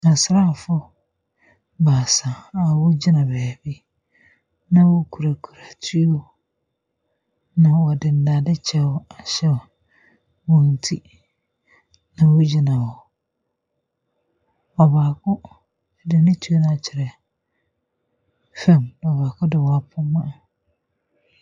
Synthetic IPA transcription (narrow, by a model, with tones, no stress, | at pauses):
a˨sɾa˦˨fʊ˦ | baː˨sã˨a˨wʊ˦d͡ʑɪ˦nã˨bɛː˨bi˦ | nã˨wo˦kʰu˨ɾa˨kʰu˨ɾa˨tʰu˦o˦ | nã˨wɔ˨dɪ˨n˨daː˨dɪ˦t͡ɕʰɛ˦wɔ˦a˨ɕɛ˦˨ | wõ˨n̩˨tʰḭ˦ | nã˨wo˦d͡ʑi˦nã˨wɔ˨ | ɔ˨baː˨kʰʊ˦ | dɪ˨nɪ̃˦tʰu˦o˦nʊ̃˦a˨t͡ɕʰɪ˨ɾɛ˨ | fɛ̃˦˨mn˨ɔ˨baː˨kʊ̃˦dɪ˨wɔ˨a˨pʰʊ˦mã˦˨